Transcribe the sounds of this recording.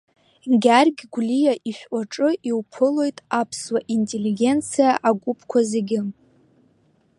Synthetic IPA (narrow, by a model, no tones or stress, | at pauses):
ɡʲarɡʲɡʷlijaʔiʃʷᶣʔaʈ͡ʂʼɨʔiwpʰɨlo̞jtʼapʰswaʔintʼe̞liɡʲe̞nt͡sʰijaʔaɡʷupʰkʷʰaze̞ɡʲɪ